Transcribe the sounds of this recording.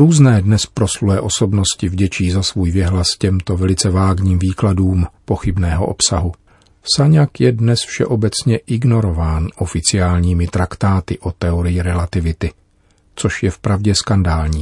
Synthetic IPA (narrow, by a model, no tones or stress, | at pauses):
ɾuːznɛːdnɛspɾo̞sluɛʔo̞so̞bno̞scɪvɟɛt͡ʃiːzasvuːjvjɛɦlascɛmt̪o̞vɛlɪt͡sɛvaːɡɲiːmviːkladuːmpo̞xɪbnɛːɦo̞̰ʔo̰psaɦu | saɲakjɛdnɛsfʃɛ̰ʔo̞bɛt͡sɲɛʔɪɡno̞ɾo̞vaːnʔo̞fɪt͡sɪjaːlɲiːmɪt̪ɾakt̪aːt̪ɪʔo̞t̪ɛoɾɪjɪɾɛlat̪ɪvɪt̪ɪ | t͡so̞ʃjɛfpɾavɟɛskandaːlɲiː